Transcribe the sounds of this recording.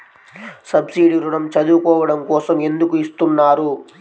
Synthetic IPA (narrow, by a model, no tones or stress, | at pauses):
sɐbsiːɖiɾuɾɐmt͡ʃɐd̪uːkɔːʋɐɽɐmkɔːsɐme̞nd̪ukuist̪unːaːɾu